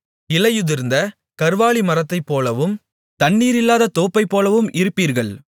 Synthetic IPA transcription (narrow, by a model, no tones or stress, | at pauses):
ɪlɐjɯðɪɾɯnd̪ɐ | kɐɾʋaːɭimɐɾɐt̪ːɐɪpːoːlɐʋɯm | t̪ɐɳːiːɾɪlːaːðɐt̪oːpːɐɪpːoːlɐʋɯmʔɪɾɯpːiːɾɣɐɭ